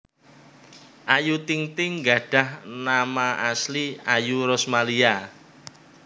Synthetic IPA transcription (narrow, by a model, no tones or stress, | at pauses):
ʔajut̪iŋt̪ɪŋɡaɖ̥ä̤hnamaasliajuɾɔsmalia